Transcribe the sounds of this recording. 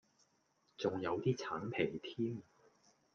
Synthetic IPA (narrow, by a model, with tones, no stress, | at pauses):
t͡sʊ˨˩ŋjɐ˨˧wt̪iː˥t͡sʰaː˨˥npʰe˨˩jt̪ʰiː˥m